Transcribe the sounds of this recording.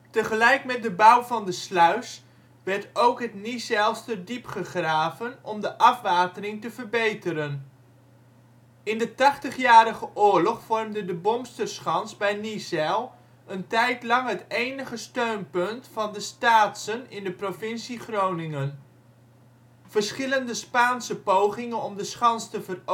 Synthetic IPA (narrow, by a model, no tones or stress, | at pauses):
təχəlɛjkmɛt̚dəbawvɑndəslœɥs | ʋɛrtowkɦətnisɛlˠstədipχəχraːvənɔmdəʔɑfʋaːtərɪŋtəvərbejtəɾən | ɪndətɑχtəχjaːɾəχəʔʊːɹlɔχfɔrmdədəbɔmstərsχɑnsbɛjnisɛlˠ | əntɛjtlɑŋɦətejnəχəstøɥnpɵntfɑndəstaːtsənɪndəprovɪnsiχrownɪŋən | v̥ərsχɪləndəspaːnsəpowχɪŋənɔmdəsχɑnstəvər